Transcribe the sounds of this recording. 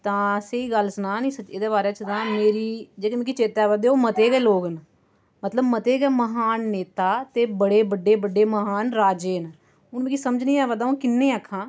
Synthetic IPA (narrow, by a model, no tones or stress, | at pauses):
t̪ãːseiːɡəlsnaːnĩːsəed̪eːbaːɾeːt͡ʃət̪ãːmeːɾiːd͡ʒeːkːmekit͡ʃeːt̪aːʋəd̪eːoːmət̪eːɡɛːloːɡn | mət̪ləbmət̪eːɡɛːməɦaːnːeːt̪aːt̪eːbəɽeːbəɖeːbəɖeːməɦaːnɾaːd͡ʒeːn | ʊnmẽkiːsəməd͡ʒnĩːɛːʋəd̪aːõːkɪnːẽːakʰːãː